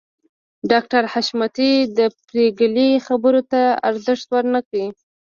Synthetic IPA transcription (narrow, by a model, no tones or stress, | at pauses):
ɖɑkʈaɾhaʃmat̪id̪əpɾeɡəlixabəɾot̪aa̰ɾzəʂt̪wəɾnəkawi